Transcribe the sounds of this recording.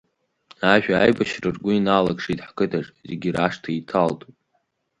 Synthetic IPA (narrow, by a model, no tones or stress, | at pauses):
aʒᶣʷaajbaʃrɨrɡʷʊinaːlakʂitʼħkɨdʰaʈ͡ʂʼzeɡʲiraʂtʰaitʰaltʼupʼ